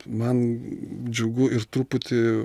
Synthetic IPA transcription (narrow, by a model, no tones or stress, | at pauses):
mɐnd͡ʒʲʊɡʊɪɾt̪ɾuːpʊt̪ʲɪ